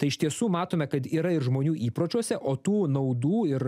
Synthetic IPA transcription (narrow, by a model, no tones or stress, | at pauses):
t̪ɐɪɪʃt̪ʲiɛsuːmɑːt̪oːmʲɛkɐt̪iːɾɐɪɾʒmoːnʲuːʔiːpɾoːt͡ʃʲuɔsʲɛʔoːt̪uːnɐʊd̪uːɪɾ